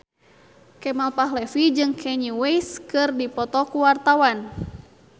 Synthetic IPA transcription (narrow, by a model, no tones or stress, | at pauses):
kɛmalpaɦlɛfid͡ʒɨŋkʰɛɲiwejskɨrdipɔt̪ɔkuwart̪awan